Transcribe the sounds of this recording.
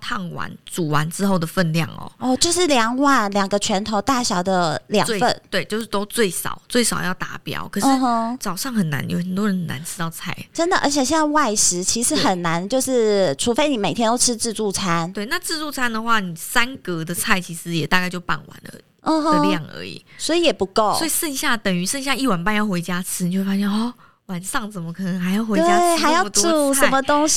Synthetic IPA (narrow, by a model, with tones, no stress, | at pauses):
t̪ʰɑ˥˩ŋwa̰˧˦nt͡su˨˩wa˧˦nt͡sɻ̩˥xo˥˩ʊd̪ə˩fə˥˧nljɑ̰˥˩ŋɔ̰˨˩ɔ˥˧t͡ɕjo˥˧ʊʂɻ̩˥˩ljɑ˧˥ŋwa˥˩nljɑ˨˩ŋɡə˧˦t͡ɕʰɥɛ˧˥nt̪ʰo˧˥ʊt̪a˥˩ɕjɑ˨˩ʊd̪ə˧ljɑ̰˨˩˧wfə˥˩nt̪we˥˧ɪt͡ɕjo˥˧ʊʂɻ̩˥˩t̪o˥ʊt͡swe˥˩ɪsɑ̰˨˩˦ʊt͡swe˥˩ɪsɑ˨˩ʊjɑ˥˩ʊt̪a˧˥pjɑ̰˨˥ʊkʰɤ˨˩ʂɻ̩˥˧˨ɦɔ˥˧t͡sɑ˨˩ʊʂɑ˥˩ŋxə˨˩nːa̰˧˥njo˧˩xə˨˩nt̪wɔ˥ɻə˧˦nxə˨˩na̰˧˦nʈ͡ʂʰɻ̩˥t̪ɑ˥˧ʊt͡sʰa˥˩ɪʈ͡ʂə˥nd̪ə˨ʔə̰˞˧˥t͡ɕʰjɛ˨˩ɕwa˥˩ɪʂɻ̩˧˥t͡ɕʰi˧˥ʂɻ̩˧˥xə˨˩nːa˧˥nt͡ɕjo˥˧ʊʂɻ̩˥˩ʈ͡ʂʰu˧˥fe˥ɪni˨˩me˨˩ɪt̪ʰjɛ˥nt̪o˥ʊʈ͡ʂʰɻ̩˥ʈ͡ʂɻ̩˥˧t͡su˥˩t͡sʰa˦˥nt̪we˥˩ɪna˥˧ʈ͡ʂɻ̩˥˧t͡su˥˩t͡sʰa˥nd̪ə˨xwa˥˩ni˨˩sa˦˥nkə˧˥d̪ə˨t͡sʰa˥˩ɪt͡ɕʰi˧˥ʂɻ̩˧˦jɛ˨˩t̪a˥˧ka˥˧ɪt͡ɕjo˥˧ʊpa̰˥˩nwa̰˧˦nlə̰˧˩ | ɔ˥˧ə˧ljɑ˥˩ŋə̰˧˥ḭ˨˩˦swɔ˧˥i˧˥jɛ˨˩pu˧˥ko˥˩ʊsɔ˧˥i˨ʂə˥˧nɕja˥˩t̪ə˨˩ŋy˧˥ʂə˥˧nɕja˥˧i˥˩wa˨˩npa˥˧njɑ˥˩ʊxwe˧˥ɪt͡ɕja˥ʈ͡ʂʰɻ̩˥ni˨o˥˧we˥˩fa˥ɕjnɔ˥˩ | wa˨˦nʂɑ˥˩ŋt͡sə˨˩mə˦kʰɤ˨˩nə˧˦ŋxa˧˥ɪjɑ˥˩ʊxe˧˥weja˥xa˧˥ɪjʊ˧t̪u˥˩ə˧˩mə˧t̪ʊ˥ŋɕ